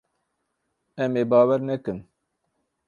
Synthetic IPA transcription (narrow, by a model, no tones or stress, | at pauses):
ɛmeːbɑːwɛɾnɛkɨn